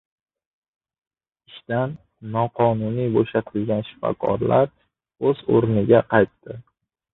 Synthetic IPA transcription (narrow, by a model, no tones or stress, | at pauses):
ɪʃt̪anː | ɒqʰɒnʊnijboʃat̪ʰɪlɡʲanʃɪ̥fɒ̰kʰɒ̰ɾlaɾ | ɵzoɾnɪɡʲaqʰɑjt̪ːɪ